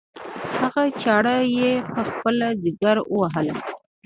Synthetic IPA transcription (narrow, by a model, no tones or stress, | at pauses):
haɣat͡ʃɑɽajepəxpəlazɪɡaɾəwaɦəla